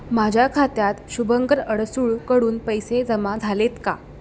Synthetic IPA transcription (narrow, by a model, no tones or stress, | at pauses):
mad͡ʑʱjakʰat̪jat̪ɕubəŋɡəɾəɽsuːɭkəɽuːnpəjsed͡zəmad͡zʱalet̪ka̰